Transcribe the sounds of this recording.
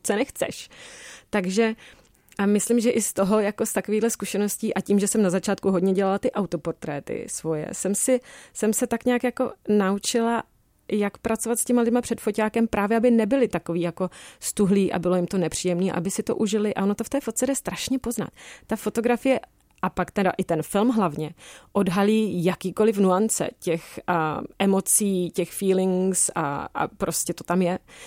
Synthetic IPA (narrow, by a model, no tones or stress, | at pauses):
t͡sonɛxt͡sɛ̰ʃt̪aɡʒɛ | ʔamɪslɪmʒɛʔɪst̪o̞ɦo̞jakost̪akoviːdlɛskuʃɛno̞sciːʔaciːmʒɛsɛmnazat͡ʃaːt̪̚kuɦodɲɛɟɛlalat̪ɪʔawt̪o̞po̞ɾt̪ɾɛːt̪ɪ̰svo̞jɛ̰sɛmsɪsɛmsɛt̪akɲaːkjako̞naut͡ʃɪla | jakpɾʔat͡so̞vat̪scɛmalɪdmapr̝̥ɛt̪focaːkɛmpɾʔaːvjɛabɪnɛbɪlɪt̪ako̞viːjako̞st̪uɦliːʔa̰bɪlojɪmt̪o̞nɛpr̥iːjɛmniːa̰ʔabɪsɪt̪o̞̰ʔuʒɪlɪʔa̰onot̪o̞ft̪ɛːfot̪̚t͡sɛdɛst̪ɾaʃɲɛpo̞zna̰t̪ːafo̞t̪o̞ɡɾafɪjɛ | ʔapakt̪ɛda̰ʔɪt̪ɛnfɪlmɦlavɲɛʔo̞dɦaliːjakiːko̞lɪfnuant͡sɛ̰cɛxʔɛmo̞t͡siːcɛxfiːlɪŋsa̰a̰pɾo̞scɛt̪o̞t̪amjɛ